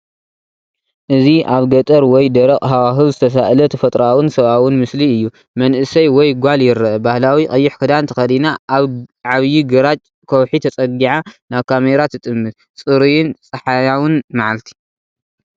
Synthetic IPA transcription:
ʔɨziʔaβɡɐt̪ʼɐɾwɔjd̪ɐɾɐqʼɦawaɦɨβzɨt̪ʰɐs̬aʔlɐt̪ʰɐfɐt̪ʼɾawɨnsɐβawʊnmɨsliɨjːu | mɐnʔɨsɐjwɔjɡʷaljɪɾɐʔɐbahlawikʼɐjːɪħkʰɨd̪ant̪ʰɐxɐd̪ina | ʕaβjiɡɐɾat͡ʃʼ | kʰowħit̪ʰɐt͡sʼɐɡiʕanaβkʰameɾat̪ʰɨt̪ʼɨmːɨt̪̚ | t͡sʼɨɾijɪnt͡sʼɐħajawʊnmaʕalt̪ʰi̥

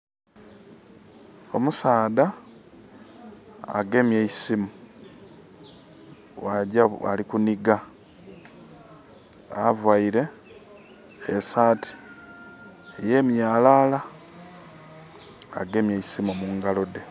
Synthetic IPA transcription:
o̞musaːd̪a | ɡe̞mjeisimu | waɟaa̰likuniɡa | avwaiɾe̞ | esaːtʰi̥ | ejeːmjaːlaːla | ɡe̞mjeisimomuːŋɡalo̞de̞

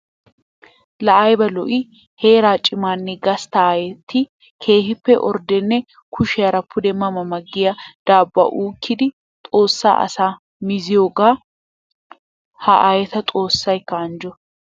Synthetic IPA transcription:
lɐʔɐjbɐlɔʔɪ | he̞ːɾaːt͡ʃʼːɪmaːnːɛɡɐst̪ɐaːjɛt̪ʰːɪ | kʰe̞ːhɪpːɛʔɔ̰ɾd̪ɛnːɛ | kʰʊʃɪjɐɾɐpʰːʊd̪ɛmɐmɐmɐɡːɪjɐd̪̥aːbːɐ̰ʔuːkːɪd̪ɪ | t̪ʼo̞ːsːa̰ːʔɐ̰saː | mɪzɪjo̞ːɡaː | hɐʔaːjɛt̪ɐt̪ʼo̞ːsːɐjkːɐɐnd͡ʒɔ

